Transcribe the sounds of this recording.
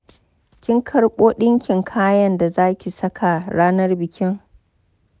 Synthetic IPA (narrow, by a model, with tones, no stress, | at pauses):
kʲɪ˦ŋkʰɐ˦ɽɓʷʼoː˦ɗɪ˦ŋkʲɪ˨ŋkʰaː˦jɐ˦nda˨zaː˦kʲi˨sɐ˦kʰa˨ɽaː˦nɐ˦rbɪ˨kʲʰɪ˦ŋ